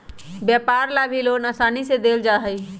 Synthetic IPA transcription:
bjapaɾlabʱilonəsanised̪eld͡ʒaɦəj

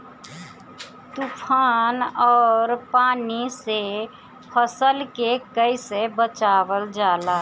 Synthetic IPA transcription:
t̪upʰaːnɔːɾpaːnise | pʰəsəlkekəisebət͡ʃaːʋəld͡ʒaːlaː

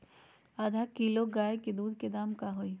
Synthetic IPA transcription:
aːd̪ʱakiloɡaːjeked̪uːd̪ʱked̪aːmkaɦoi

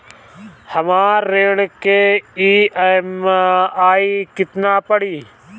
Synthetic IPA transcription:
həmaːɾːeːlkeiːmaːiːkɪt̪naːpəɽiː

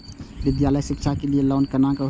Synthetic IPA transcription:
ʋɪd̪jaːləjʃɪkʃʰakelielɔːnkənakə

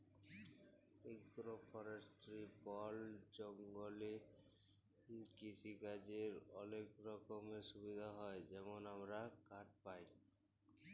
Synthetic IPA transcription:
iɡɾopʰɔɾesʈɾipɔld͡ʑɔŋɡoli | kisʰikad͡ʑeɾɔlekɾɔkomeʃubid̪ʱaɦɔed͡ʑɛmonamɾakaʈ̚paj

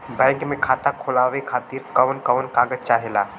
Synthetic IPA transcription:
bãkmẽkʰat̪akʰolaʋekʰat̪iɾkəwnkəwnkaɡəd͡ʒt͡ʃaɦela

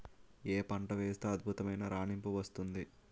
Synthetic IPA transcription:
eːpɐɳʈɐʋeːst̪eɐd̪̚bʱut̪ɐmɐjnɐɾaːɳimpuʋɐst̪und̪i

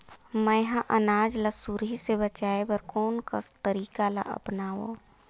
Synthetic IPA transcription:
məjɦãʔənaːd͡ʒlasuɾɦisebət͡ʃaːebəɾkoːnkəst̪əɾiːkala̰ʔə̰pnaːwo̰

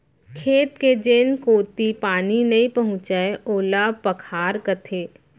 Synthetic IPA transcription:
kʰeːt̪ked͡ʒeːnkoːt̪ipaːninɐĩpɐɦʊ̃t͡ʃaeoːlapɐkʰaːɾkət̪ʰeː

